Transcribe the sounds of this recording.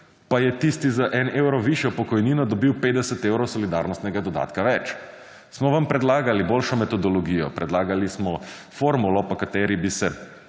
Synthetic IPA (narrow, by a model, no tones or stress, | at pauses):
pajɛt̪ist̪izaʔɛnewɾɔʋiʃjɔpɔkɔjniːnɔd̪ɔbiwpeːd̪ɛsɛt̪eːwɾɔsɔlid̪aɾnɔst̪nɛɡad̪ɔd̪a̰ːt̪kaʋɛt͡ʃ | smɔʋampɾɛd̪laːɡalibolʃɔmɛt̪ɔd̪ɔlɔɡiːjɔ̰pɾɛd̪laːɡalismɔ | foːɾmulɔpakat̪ɛɾibisɛ